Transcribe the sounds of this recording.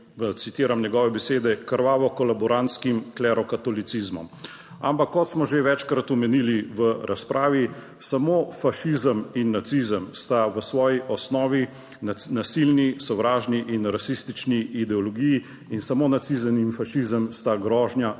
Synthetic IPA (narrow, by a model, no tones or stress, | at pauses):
t̪sit̪iːɾamnɛɡɔːʋɛbɛseːd̪ɛkəɾʋaːʋɔkɔlabɔɾant̪skimklɛɾɔkat̪ɔlit̪sizmɔ̰m | a̰mpakːɔt̪smɔʒeʋɛt͡ʃkɾat̪ɔmɛniːliʋəɾʔa̰spɾʔaːʋi | samoːfaʃizəminːat̪sizəmst̪aʋəsʋɔːjiʔɔsnɔːʋi | nasilnisɔwɾaːʒniʔinɾasist̪it͡ʃniːd̪ɛɔlɔɡiji | insamonat̪sizəninfaʃizəmst̪aɡɾɔːʒnja